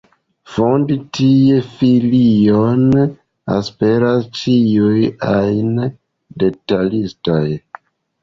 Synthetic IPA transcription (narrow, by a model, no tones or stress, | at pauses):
fo̞nditʰijefilion | a̰spe̞ɾast͡ʃiujajn | de̞talistoj